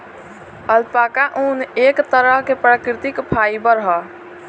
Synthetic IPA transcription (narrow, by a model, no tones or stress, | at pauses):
əlpaːkaʔuːneːkt̪əɾəɦkepɾakɾɪt̪ɪkpʰaːibəɾɦə